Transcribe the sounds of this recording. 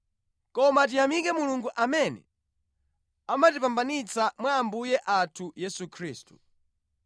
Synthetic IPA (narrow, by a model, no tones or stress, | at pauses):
kɔmat̬ijamikɛmuluŋɡuʔamɛnɛ̰ | amatipambanit͡samwaːmbujɛʔatʰujɛsukʰɾiːstu